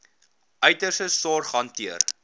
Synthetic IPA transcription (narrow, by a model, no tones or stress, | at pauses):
ʔœɥtərsəsɑːrχɐntiər